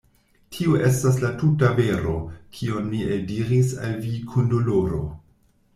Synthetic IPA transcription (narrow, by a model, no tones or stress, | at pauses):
tʰioʔe̞stas̬latutave̞ɾo̞̰kʰio̞nːieldiɾisa̰lvikʰundoloɾo̞̰